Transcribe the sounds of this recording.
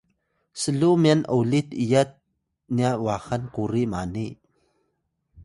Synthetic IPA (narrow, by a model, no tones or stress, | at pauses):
səlumianʔowlit̪̚ʔijat̪̚ | niaʔwaxɐnkuɾimani